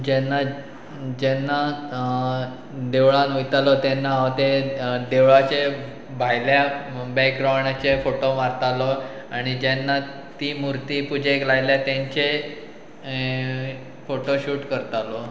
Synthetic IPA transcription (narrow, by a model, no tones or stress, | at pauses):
d͡ʑɛnːa | d͡ʑɛnːa | d̪eʋɭanujt̪alɔt̪ɛnːaat̪ed̪eʋɭat͡ɕe | bʱajljabɛkɡɾawɳat͡ɕefoʈomaɾt̪alɔ | aɽ̃id͡ʑɛnːa | t̪imuɾt̪ipud͡ʑʱeklajljat̪ɛ̃ɲt͡ɕe | foʈoɕuːʈkəɾt̪alɔ